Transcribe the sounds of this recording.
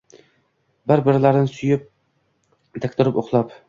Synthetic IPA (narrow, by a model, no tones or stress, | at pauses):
bɪɾbɪɾɪlaɾɪnɪsʊjɪp̚ | d̪ʰakʲt̪ʰɪɾɪpoχlˠap